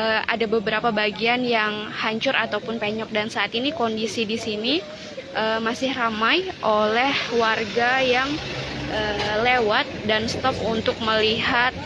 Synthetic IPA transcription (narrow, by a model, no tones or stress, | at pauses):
əa̰dabəbəɾapabaɡianjaŋhaɲt͡ʃʊɾʔat̪awpʊnpeɲɔk̚dansaʔːt̪inikondisidisini | ʔəmasɪhramajʔolɛhwarɡajaŋʔəːlewat̪̚danst̪ɔpunt̪ʊk̚məliɦat̪̚